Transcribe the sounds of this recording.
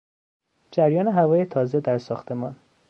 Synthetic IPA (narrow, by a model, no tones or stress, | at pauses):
d͡ʒæɾjɒːneɦævɒːjet̪ʰɒːzed̪æɾsɒːxt̪ʰe̞mɒːn